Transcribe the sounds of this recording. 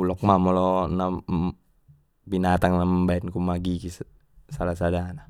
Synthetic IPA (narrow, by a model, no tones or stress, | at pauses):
ulɔk̚mamɔlɔna | binat̪aŋnambaɛnkumaɡiki | salasadana